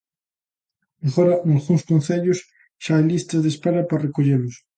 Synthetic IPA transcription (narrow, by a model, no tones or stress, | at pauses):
mexoɾanalɣunskonθeʎos | ʃaajlist̪azðespaɾaparekoʎelos